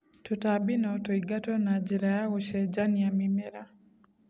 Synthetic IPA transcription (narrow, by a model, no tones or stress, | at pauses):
tɔtabinɔtɔiɡatɔnad͡ʒiɾajauʃɛd͡ʒaniamimɛɾa